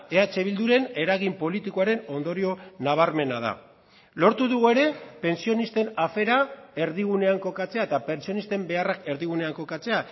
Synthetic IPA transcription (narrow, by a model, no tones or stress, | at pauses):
e̞at͡ʃe̞β̞ild̪uɾe̞ne̞ɾaɣimpo̞lit̪ikoaɾe̞no̞nd̪o̞ɾio̞naβ̞aɾme̞nað̞a̰ | lo̞ɾt̪uðuɣue̞ɾe̞pe̞nsio̞nist̪e̞nafe̞ɾae̞ɾðiɣ̞une̞aŋko̞kat͡se̞aet̪ape̞nsio̞nist̪e̞mbe̞arake̞ɾðiɣ̞une̞aŋko̞kat͡se̞a